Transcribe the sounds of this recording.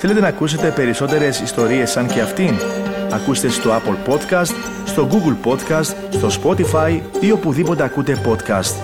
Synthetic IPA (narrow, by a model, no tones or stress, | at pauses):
θe̞le̞t̪̬e̞nɐkuse̞t̪e̞pe̞ɾiso̞t̪e̞ɾe̞sist̪o̞ɾie̞sːɐɲce̞ɐft̪inɐ̰kust̪e̞st̪o̞ɐpolpo̞t̪kɐst̪ | st̪o̞ɡuɡlpo̞t̪kɐst̪ | st̪o̞spo̞t̪ifɐjðio̞puðipo̞t̪eɐkut̪e̞po̞t̪kɐ̰st̪